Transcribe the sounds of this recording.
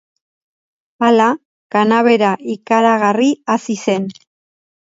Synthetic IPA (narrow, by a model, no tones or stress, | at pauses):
ala | kanaβe̞ɾaʔikaɾaɣariasise̞n